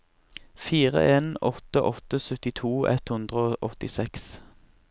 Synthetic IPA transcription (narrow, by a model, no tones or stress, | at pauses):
fiːʁə̰ʔeːnɔt̪əʔɔt̪əsœt̪ɪt̪ʰuːɛ̰t̪hʉnd̪ʁəoːʔɔt̪ɪsɛks